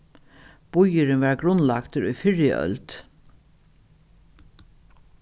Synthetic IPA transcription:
b̥ʊjəɾɪnʋæːɹɡɾʊnlakt̪əɾʊjfɪɹjə̰ʔœ̰lt̪

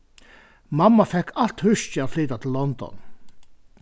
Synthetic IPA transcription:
mɑmːɑfɛkʰːɑlt̪hʉʃçɪɑt̪fliːt̪at̪ʰɪl̩lːɔnd̪ɔ̰n

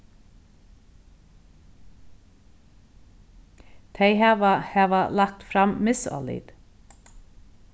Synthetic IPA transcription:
t̪ʰeɪhæːʋɑhæːʋɑlɑk̚t̪fɾɑmmɪsɔ̰lḭd̪̥

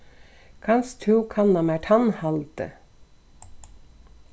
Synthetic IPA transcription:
kʰɑnst̪ʰʉːkʰɑnɑmæʈʰɑnhɑlt̪ə̰

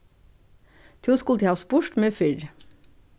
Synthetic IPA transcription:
t̪ʰuːskʊlt̪ʰeɑːspʊʃʈmeːfɪɹ

